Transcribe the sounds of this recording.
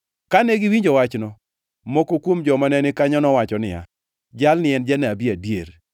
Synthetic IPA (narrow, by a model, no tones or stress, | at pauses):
kaneɡɪwiɲd͡ʒɔwat͡ʃnɔ | mokokwomd͡ʒɔmanɛnɪkaɲɔnɔwat͡ʃɔnɪa̰ | d͡ʒalnɪɛnd͡ʒanabiadjeɾ